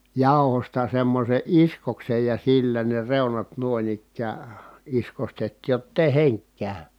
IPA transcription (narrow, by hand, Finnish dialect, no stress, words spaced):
jɑˑu̞hostɑ semːose ʔiskoksej jɑ silːæ ne reunɑt nuŏin ikˑæː iskostetːiːj jotː eˑi heŋk kæˑy